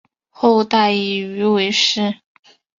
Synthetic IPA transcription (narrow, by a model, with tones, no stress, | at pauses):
xo˥˧ʊt̪a˥˩ɪi˨˩y˧˥we˧˥ɪʂɻ̩˥˩